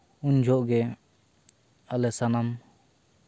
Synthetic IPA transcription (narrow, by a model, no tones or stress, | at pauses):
uɲd͡ʒʱɔʔɡɛ | alɛsanam